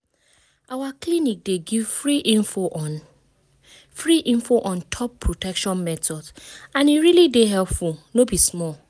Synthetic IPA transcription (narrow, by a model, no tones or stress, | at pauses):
awaklinik̚deɡivɹiʔifo | fɹiʔĩɱfoʔɔ̃ntʰɔpʰːɹotɛkʃɔ̃nmɛtɔdãniɹilideɦɛlpfulnobismɔl